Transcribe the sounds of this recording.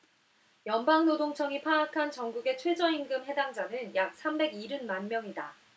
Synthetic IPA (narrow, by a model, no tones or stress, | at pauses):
jʌnbaŋnodoŋt͡ɕʰʌŋipʰaakʰant͡ɕʌŋɡuɡe̞t͡ɕʰwe̞d͡ʑʌinɡɯmɦe̞daŋd͡ʑanɯnjak̚s͈ʰambe̞ɡiɾɯnmanmjʌŋida